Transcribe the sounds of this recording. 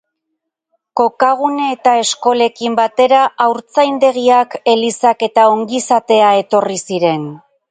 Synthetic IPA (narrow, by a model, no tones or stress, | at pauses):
ko̞kaɣ̞uneːt̪ae̞sko̞le̞kimbat̪e̞ɾaʔawɾt͡sajnd̪e̞ɣ̞iake̞lisake̞t̪ao̞ŋɡisat̪e̞ae̞t̪o̞risiɾe̞n